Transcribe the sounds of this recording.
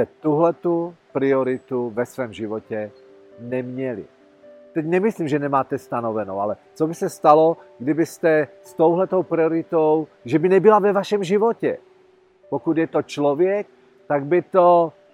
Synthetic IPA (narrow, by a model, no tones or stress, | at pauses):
ɛt̪uɦlɛt̪upɾioɾɪt̪uvɛsvɛːmʒivocɛ | nɛmɲɛlḭ | t̪ɛcnɛmislimʒɛnɛmaːt̪ɛst̪anovɛnowalɛt͡sobɪsɛst̪aloɡdɪbɪst̪ɛst̪owɦlɛt̪owpɾioɾɪt̪owʒɛbɪnɛbɪlavɛvaʃɛmʒivocɛ̰ | pokud̪jɛt̪ot͡ʃlovjɛk̚ | t̪aɡ̚bɪt̪o